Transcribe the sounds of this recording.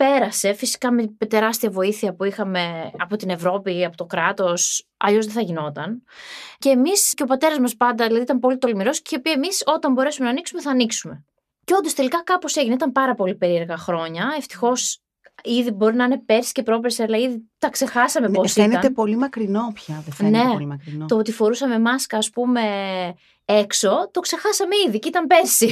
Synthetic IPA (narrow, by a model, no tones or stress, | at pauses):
pe̞ɾɐse̞fisi̥kɐmemet̪e̞ɾɐst̪iɐvo̞iθiɐpuixɐme̞ɐ̰po̞t̪ine̞vɾo̞piɐpo̞t̪o̞kɾɐt̪o̞s | ɐ̰ʎo̞zðeθɐʝino̞t̪ɐnce̞ːmisceopɐt̪e̞ɾɐzmɐspɐnd̪ɐðilɐðit̪ɐmpo̞lit̪o̞limiɾo̞sceio̞piɐemiso̞t̪ɐmbo̞ɾe̞sume̞nɐniksume̞θɐːniksume̞ | ceo̞nd̪ost̪e̞likɐkɐpo̞se̞ʝineit̪ɐmpɐɾɐpo̞lipe̞ɾie̞ɾɣɐxɾo̞ɲɐe̞ft̪i̥xo̞s | iðibo̞ɾinɐine̞pe̞ɾsi̥ce̞pɾo̞peɾsiɐlɐiðit̪ɐkse̞xɐsɐmepposieneɐt̪epo̞limɐkɾinopçɐðene̞ɐɾit̪oot̪ifo̞ɾusɐme̞mɐskɐːspume̞ | ekso̞t̪o̞kse̞xɐsɐmeiðiceit̪ɐmpe̞ɾsi